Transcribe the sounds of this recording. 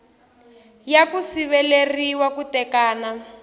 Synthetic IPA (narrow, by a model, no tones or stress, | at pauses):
jakusiβɛleriwakutɛkaːna